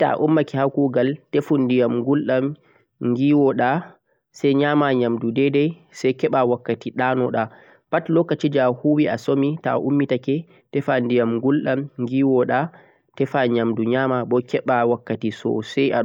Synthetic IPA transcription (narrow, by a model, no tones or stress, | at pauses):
ta̰ʔumːakɛhakuɡaltefundijamɡulɗam | ŋɡiːwɔɗa | sɛjɲaːmaɲamdudɛdɛjsɛjkɛɓawakːatiɗanɔɗa | patlɔkːat͡ʃid͡ʒahuwiasomita̰ʔumːitakɛ | tɛfandijamɡulɗamŋɡiːwɔɗa | tɛfaɲamduɲaːmaɓɔkʰɛɓawakːatisɔ̰sɛja